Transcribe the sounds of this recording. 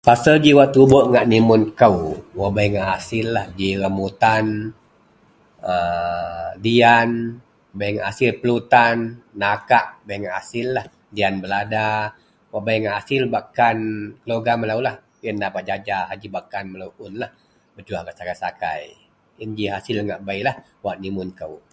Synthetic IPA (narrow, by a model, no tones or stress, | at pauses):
pasəd͡ʒiwaʔt̪uboʔŋaʔnimʊnkawwabajŋaʔasɪlːahd͡ʒiɾamut̪an | ə | dian | wabajŋaʔasɪlpəlut̪anːakaʔbajŋaʔasɪlːah | dianbəlada | wabajŋaʔasɪlbakankəloɡaməlawlah | əndapat̪̚d͡ʒad͡ʒaɦad͡ʒibakanməlauʔʊnlah | bəd͡ʒuahɡaʔsakajsaka̰j | ənd͡ʒiɦasɪlŋaʔbajlah | waʔnimʊnkəw